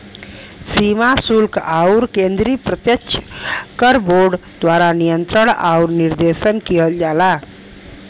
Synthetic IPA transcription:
simasulkauɾkẽnd̪ɾipɾət̪jəkt͡ʃʰkəɾboɾɖd̪waɾanijənt̪ɾəɽa̰uɾniɾd̪esənkiɦəld͡ʒala

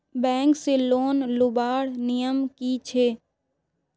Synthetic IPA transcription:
bɛ̃ːŋkseloːnlʊbaːɽnijəmkit͡ʃʰeː

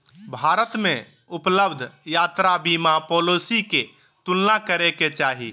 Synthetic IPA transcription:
bʱaɾət̪me | upləbd̪ʱjat̪ɾabimapɔlosike | t̪ulnakəɾeket͡ʃaɦḭ

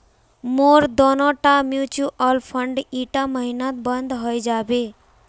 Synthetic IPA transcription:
moːɾd̪ɔnɔʈamjut͡ʃuʔɔlpʰəɳɖiʈaməɦinãt̪̚bənd̪ɦəjd͡ʒaːbe

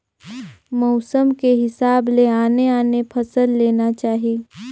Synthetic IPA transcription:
mɔʊsəmkeɦɪsaːbleaːneaːnepʰɐsəlːeːnat͡ʃaːɦi

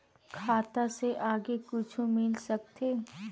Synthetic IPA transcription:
kʰaːt̪aseʔaːɡekʊt͡ʃʰumɪlsɐk̚t̪eː

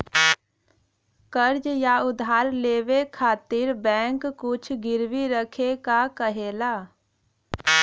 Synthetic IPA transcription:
kəɾd͡ʒjaʊd̪ʱɦaːɾleːʋekʰaːt̪ɪɾbɛ̃ːŋkːʊt͡ʃʰɡɪɾwiɾəkʰekakəɦeːlaː

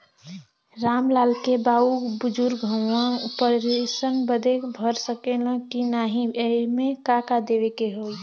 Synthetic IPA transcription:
ɾamlaːlkebaubud͡ʒuɾɡʱəãpəɾesənbəd̪ekbʱəɾsəkelə̃kinaɦĩəimekakad̪eʋekeɦoi

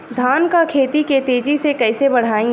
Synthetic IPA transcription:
d̪ʱaːnkakʰeːt̪iket̪eːd͡ʒisekɛɪsebɐɽ̤aːĩ

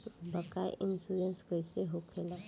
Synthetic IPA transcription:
bəkaj̰ʔɪnsuɾenskoɪseɦokʰela

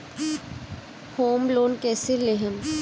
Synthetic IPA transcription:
hoːmloːnkɛːseleɦəm

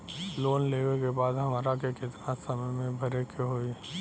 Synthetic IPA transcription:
loːnleːʋekebaːd̪ɦɐmaːɾakekɪt̪nasɐməjmẽbʱɐɾekʰeɦoːi

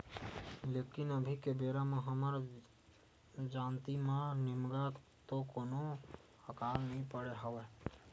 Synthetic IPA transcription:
leːkɪnəbʱikebeːɾamẽɦəməɾ | d͡ʒaːnt̪imãnɪmɡat̪okoːno | həkaːlnəɦĩpəɽeɦəʋeː

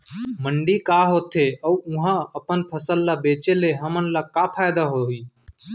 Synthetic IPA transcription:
məɳɖiːkaːɦoːt̪ʰeːʔəuʊɦãːəpənpʰəsəlːaːbeːt͡ʃeːleːɦəmənlaːkaːpʰaːjd̪aːɦoɦiː

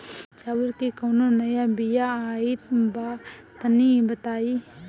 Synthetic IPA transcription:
t͡ʃaːwɪɾkikɐwnonɐjabijaaːit̪ba | t̪ɐnibɐt̪aːi

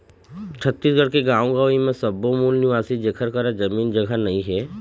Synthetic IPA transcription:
t͡ʃʰət̪ːiːsɡʱəɽkeɡãːõɡaimẽsɐbːomuːlnuʋaːsid͡ʒekʰəɾkəɾad͡ʒɐmiːnd͡ʒəɡʱanɐɦĩɦɛː

